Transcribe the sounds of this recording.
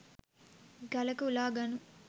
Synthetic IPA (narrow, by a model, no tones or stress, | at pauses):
ɡɐlɐkuulaːɡɐnu